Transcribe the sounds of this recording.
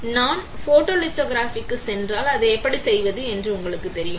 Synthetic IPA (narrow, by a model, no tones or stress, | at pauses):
naːnfoːʈoːlɪt̪ːoːɡɾaːfɪkːɯsɛndraːlɐðɐɛpːɐɽisɛjʋɐðɯɛndrɯʊŋɡɐɭɯkːɯt̪ɛɾɪjɯ̃